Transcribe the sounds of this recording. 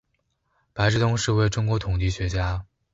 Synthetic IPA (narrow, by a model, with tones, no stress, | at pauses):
pa˧˥ɪʈ͡ʂɻ̩˥˧t̪ʊ˥ŋʂɻ̩˥˧we˥˩ɪʈ͡ʂʊ˥ŋkwɔ˧˥t̪ʰʊ˨˩ŋt͡ɕi˥˩ɕɥɛ˧˥t͡ɕja˥